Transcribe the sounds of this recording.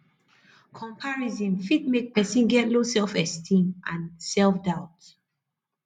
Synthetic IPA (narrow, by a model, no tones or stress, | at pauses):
kʰɔ̃mpʰaɹizĩnfid̚mek̚pɛsĩnɡɛtlosɛlfɛstʰĩmãnsɛlfdaʊt